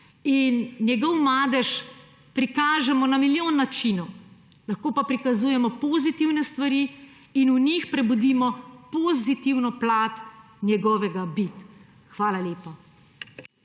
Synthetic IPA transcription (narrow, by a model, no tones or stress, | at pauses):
innjɛɡɔwmaːd̪ɛʃ | pɾikaːʒɛmɔnamiljoːnːat͡ʃinu | lɐxkoːpapɾikazuːjɛmɔpɔːzit̪iwnɛst̪ʋaɾi | inunixpɾɛbud̪iːmɔpɔzit̪iwnɔplaːt̪ | nʲjɛɡɔːʋɛɡabit̪ | xʋaːlaleːpa